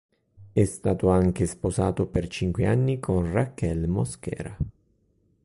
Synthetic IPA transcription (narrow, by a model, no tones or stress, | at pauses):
ɛst̪aːt̪oaŋk̟esposaːt̪opert͡ʃiŋkweanːikʰonrakːɛlmoskɛ̰ːɾa